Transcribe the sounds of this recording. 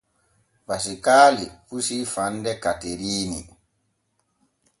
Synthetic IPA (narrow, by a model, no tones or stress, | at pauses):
basikaːlifusifandɛkateɾiːnḭ